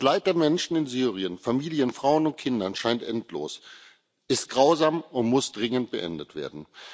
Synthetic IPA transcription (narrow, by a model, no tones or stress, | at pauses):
aslaɪt̚d̥eːɐmɛnʃn̩ɪnzyːʁiənfamiːljənfʁ̥aʊənʊnt̚kʰɪndɐnʃaɪntʔɛntlo̰ːs | ʔɪst̚ɡ̥ʁaʊzaːmʊntmʊsd̥ʁɪŋənt̚b̥əʔɛ̰ndətv̥ḛːɐdn̩